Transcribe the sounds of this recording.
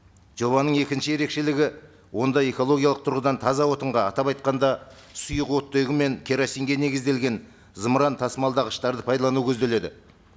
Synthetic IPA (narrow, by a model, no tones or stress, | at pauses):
ʒo̞βɑnəɴe̞kʲɪnʃɪje̞ɾe̞kʃe̞lɪɡʲɪ | wo̞nd̪ɑje̞ko̞lˠo̞ɡʲijɑlˠəq̚t̪ʰʊɾʁəd̪ɑnt̪ʰɑzɑwo̞t̪əɴʁɑːt̪ɑpɑjt̪̚qɑnd̪ɑ | sʊjəqwo̞t̪ːojʁəme̞ŋkʲʰeɾosijŋɡʲe̞ne̞ɡʲɪzd̪e̞lɡʲe̞n | zəmɾɑnt̪ʰɑsmɑlˠd̪ɑʁəʃt̪ɑɾd̪əpʰɑjd̪ɑlˠɑnuwkʲʰɵzd̪e̞le̞d̪ɪ